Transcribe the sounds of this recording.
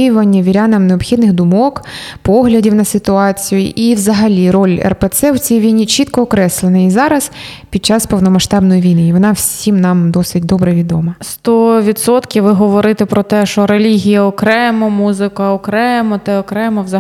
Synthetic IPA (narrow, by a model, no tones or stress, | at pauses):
jʊʋɐnʲːɐʋʲiɾʲanɐmneɔpxʲid̪nɪɣd̪ʊmɔkpɔɦlʲɐdʲiwnɐsɪt̪ʊɑt͡sʲijʊ̰ʔiwzɐɦɐlʲiɾɔlʲɛ̰rpet̪sɛwt͡sʲijiʋʲijnʲit͡ʃit̪kɔːkɾɛslˠenɐizɑɾɐz̥pʲid̪̚t͡ʃɑspɔwnɔmɐʃt̪ɑbnɔjiʋʲijnɪjʋɔnɑwsʲimnɑmd̪ɔsɪtʲd̪ɔbɾɛʋʲid̪ɔmɐst̪ɔʋʲit̪sɔt̪kʲiwʋɪɦɔʋɔɾɪt̪ɪpɾɔt̪ɛʃt͡ʃɔɾelʲiɦʲijɐɔkɾɛmɔmuzɪkɐɔkɾɛmɔt̪ɛɔkɾɛmɔwzɐ